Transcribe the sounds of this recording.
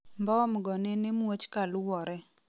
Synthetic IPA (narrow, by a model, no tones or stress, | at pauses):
mbɔmɡɔnenemwot͡ʃkalʊwɔɾɛ